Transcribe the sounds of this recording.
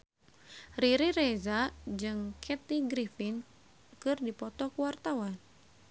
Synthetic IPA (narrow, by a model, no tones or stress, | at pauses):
riɾirɛzad͡ʒɨŋkʰɛt̪iɡɾifin | kɨrdipɔt̪ɔkuwart̪awan